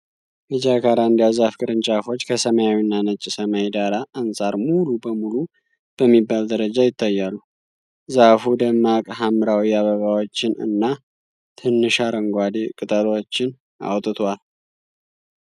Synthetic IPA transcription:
ʔɨd͡ʒakʰaɾaɨnd̪ijazafkʰʼɨɾɨnt͡ʃʼafo̞t͡ʃːkʰəsəmajawinːanət͡ʃʼːɪsəmajed̪aɾaʔːnsʼaɾmulubəmulu | b̥əmːibːald̪əɾəd͡ʒajɪt̪ʰːajːalːu | zafud̪əmːakʼɦamɨɾawijaβəβawot͡ʃːɪnɨ̰nːa | t̪ʰɨnːɨʃaɾəŋɡʷad̪ekʼɨt̪ʼəlot͡ʃːɪn | a̰wt̪ʼɨt̪ʰwal

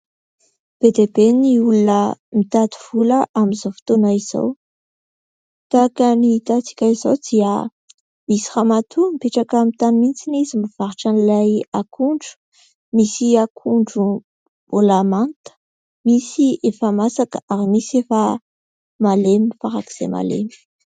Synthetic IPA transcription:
b̥ed̪ebeniulunəmit̪ad̪u̥v̥uləʔamizofi̥t̪onaiz̥o̰w | t̪akanit̪at͡si̥kʲaizowd̪iə | misi̥χamat̪ʰumipeʈ͡ʂakamit̪animint͡sinizimiv̥aɾuʈ͡ʂanilajakʰuɳɖ͡ʐu̥ | misiakʰuɳɖ͡ʐu | b̥olamant̪ə̥ | misiʔefamasakəaɾimisefə | malemifaɾaki̥z̥ḛma̰lḛmi̥

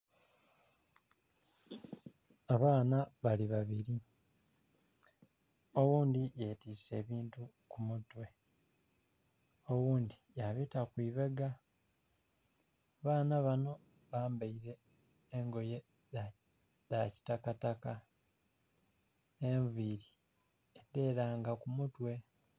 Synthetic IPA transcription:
aβaːnaβaliβaβiɾi | o̞wuːnd̪ije̞tiːse̞ːβiːntukumutːwe̞ | o̞wuːndijaβitakwiːβe̞ɡa | βaːnaβano̞βaːmbaiɾe̞ːŋɡo̞je̞ | ðaci̥takataka | eɱviɾiedːe̞ːɾaːŋɡakumutwe̞

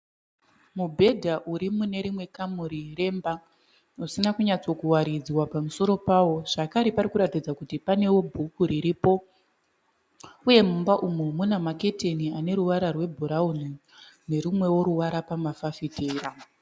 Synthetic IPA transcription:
mubʱe̞dʱaʔuɾimune̞ɾimwe̞kamuɾire̞mba | usinakuɲat͡so̞kuwaɾid͡zwapamuso̞ɾo̞paːwo̞ʐ̥akaɾepaɾikuɾatid͡zakutipane̞wo̞bʱukuɾiɾipo̞ | uje̞mumbaʔumumunamake̞te̞niane̞ɾuʋaɾarwe̞bʱuɾauni | ne̞ɾumwe̞wo̞ɾuʋaɾapamafafitʰeːɾa

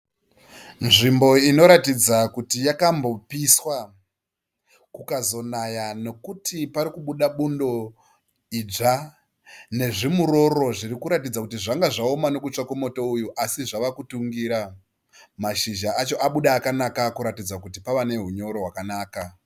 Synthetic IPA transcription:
nʐimbo̞ino̞ɾatid͡zakutijakambo̞piswa | kukazo̞najano̞kutʰipaɾikuɓuɗaɓundo̞ | id͡ʐa | ne̞ʐimuɾo̞ɾo̞ʐirikuɾatid͡zakutiʐaŋɡaʐaomano̞kut͡ʂakwemo̞toujuʔasiʐaʋakutuŋɡiɾa | maʃiʒaat͡ʃo̞ʔaɓuɗaːkanakakuɾatid͡zakutipaʋane̞ɦuɲo̞ɾo̞ɦwakanaːka

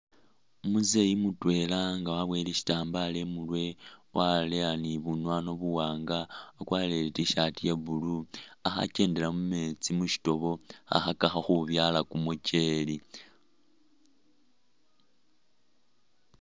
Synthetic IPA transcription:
muze̞imutwe̞laŋɡawaβwe̞liʃi̥taːmbale̞mulwe̞wʔaleaniβunwano̞βuwaːŋɡaːkwaleletiʃatijeβuluaxa̰ce̞ːnde̞lamumet͡simuʃi̥to̞βo̞a̰xakaxaxuβjalakumut͡ʃe̞li

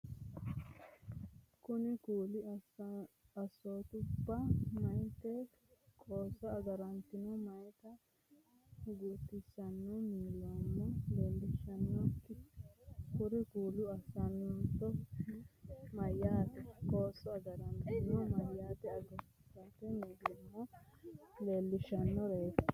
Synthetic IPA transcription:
kʊnɪkuːlɪ | ɐsoːt̪ʊbːɐmɐjt̪ɛ | kʼoːsːɔɐɡɐɾɐnt̪ɪnɔmɐjt̪ɐ | ɡut̪ːɪsːɐnːumiːlɔmːɔleːlːɪʃːɐnːɔk | kʊɾɪkuːlʊɐsɐnːt̪ɔ | mɐjːaːt̪ɛkʼo̞ːsːɔɐɡɐɾɐnt̪ɪnɔmɐjːaːt̪ɛɐɡɐɾɪsat̪ɛmiːlɔmːɔ | le̞ːlːɪʃːɐnːɔɾejt̪

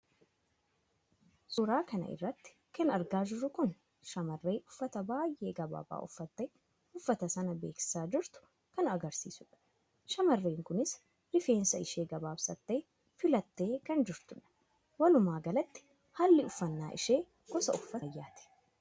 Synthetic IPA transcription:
sʊɾaːkɐnɐ̰ʔɪ̰rːɐt̪ːɪ̥ | kɐnɐɾɡaːd͡ʒɪɾʊkʊn | ʃɐmɐrːe̞ːʔʊfːɐt̪ɐbaːjʔe̞ːɡɐba̰ːba̰ːʔʊfːɐt̪ːeː | ʊfːɐt̪ɐsɐnɐbe̞ːksɪ̥saːd͡ʒɪɾt̪ʊ̥ | kɐnɐɡɐɾsḭːsʊᶑɐ̥ | ʃɐmɐrːeːŋkʊnɪs | lɪfe̞ːnsɐɪʃe̞ːɡɐbaːbsɐt̪ːe̞ː | fɪlɐt̪ːe̞ːkɐnd͡ʒɪɾt̪ʊᶑɐ̥ | wɐlʊmaːɡɐlɐt̪ːɪ̥ | hɐlːɪʊfːɐnːa̰ːʔɪʃeː | ɡ̥ɔsɐʊfːɐɐjːaːt̪ɛ̥

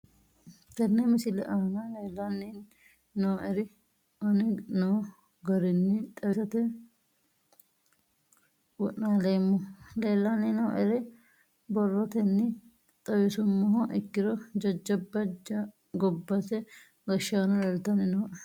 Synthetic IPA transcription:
t̪ɛnːɛmɪsɪlɛʔɐnɐleːlːɐnːi | noːʔɛɾɪ | ʔɐnɪnoː | ɡɐɾɪnːɪt̪ʼɐwsɐt̪ɛ | wɔʔnaːleːmːɔleːlːanːɪnoːʔɛɾɛ | bɔrːɔt̪ɛnːɪ | t̪ʼɐwɪsʊmːɔɦɔʔɪkːɪɾɔd͡ʒɐd͡ʒːɐbːɐd͡ʒɐ | ɡɔbːɐsɛ | ɡɐʃaːnɐlɐlt̪ɐnɪnoːʔ

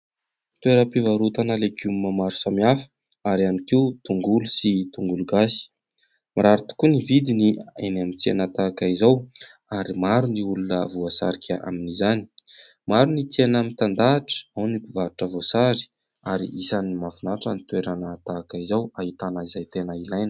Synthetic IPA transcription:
t̪weɾəpivaɾut̪anəleɡumːamaɾu̥samiafə̥ | aɾianikiut̪uŋɡulusit̪uŋɡuluɡasi̥ | miɾaɾut̪u̥kunivid̪inienamit͡senat̪akaizaw | aɾimaɾuniulunəvuasa̰ɾikʰʲaʔa̰minizani̥ | maɾunit͡senəmit̪and̪aʈ͡ʂə̥awnipuvaɾuʈ͡ʂəvosaɾi̥ | aɾḭʔisanimavunaʈ͡ʂənit̪weɾanat̪aːkaizawaɦit̪anəizajt̪enəilajnə̥

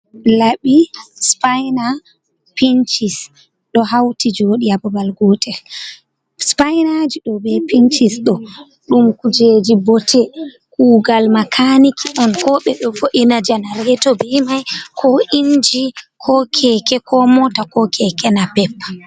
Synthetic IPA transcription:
laɓispajna | pint͡ʃis | ɗɔɦawtid͡ʒoɗiabɔbalɡɔtʰɛl | spajnad͡ʒiɗɔbɛpint͡ʃisɗɔ | ɗumkud͡ʒed͡ʒibɔtʰɛ | kuːɡalmakʰanikʰiɗɔnkɔɓɛɗɔfoʔinad͡ʒanaɾɛtɔbimajkʰɔʔind͡ʒikʰɔkʰɛkɛkʰɔmɔtakɔkʰɛkɛnapɛpːa

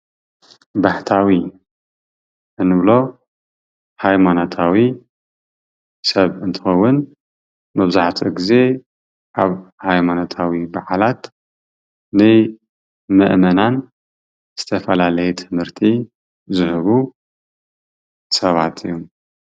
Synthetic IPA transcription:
baħt̪ʰawi | ʔɨnːɨβlo̞ | hajmanot̪ʰawi | sɐβɨnt̪ʰɨ̥xɐwːʊn | mɐβzaħt̪ʰʼiɡize̞ | ʔaβhajmanot̪ʰawibaʕalat̪ | nɨ | mɐʔmɐnan | z̥ɨt̪ʰɐfɐlalɐjɛt̪ʰɨmhɨɾt̪ʰi | zɨhɨβu | sɐβa̰t̪ʰɨjːom

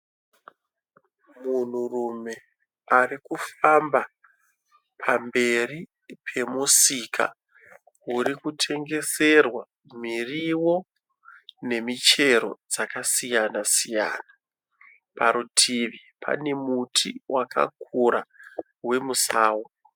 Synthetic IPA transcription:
mun̤urume̞ | arikufamba | pʰambe̞ri | pʰe̞musikʰa̰ | uɾikutʰe̞ŋɡe̞se̞rwa | miriwo̞ | ne̞mit͡ʃe̞ɾo̞̰d͡zakasijanasija̰ːna | paɾutʰiʋi | pʰa̰ne̞mutʰiwakʰa̰kʰuɾa | we̞musaːwo

